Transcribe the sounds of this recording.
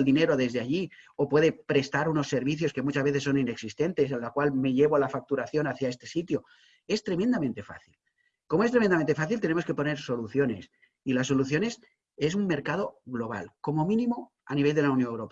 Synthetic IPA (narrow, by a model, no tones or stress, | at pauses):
ld̪ineɾo̞ðe̞zðeaʎiopwe̞ðe̞pɾe̞st̪aɾuno̞sːe̞ɾβ̞iθjo̞ske̞mut͡ʃazβe̞θesːo̞nine̞ksist̪e̞nt̪e̞senlakwalme̞ʎe̞βoalafak̚t̪uɾaθjo̞naθjae̞st̪e̞sit̪jo̞ | e̞st̪ɾe̞mẽnd̪amẽnt̪e̞fa̰θil | ko̞moest̪ɾemend̪ament̪efaθilt̪e̞ne̞mo̞ske̞po̞ne̞ɾso̞luθjone̞̰s | ilas̬ːo̞luθjo̞ne̞s | e̞summːe̞ɾkað̞o̞ɣlo̞β̞a̰lko̞mo̞mĩnĩmo̞ | a̰niβ̞eld̪e̞lawnjonewɾope